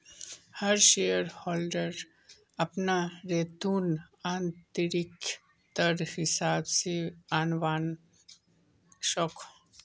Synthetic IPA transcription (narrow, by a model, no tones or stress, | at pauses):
hɐɾʃeːjəɾhɔːlɖəɾ | ɐpnaɾeːt̪uːn | aːnt̪əɾɪk | t̪əɾhɪsaːbseaːnʋaːn | ʃɔːkʰ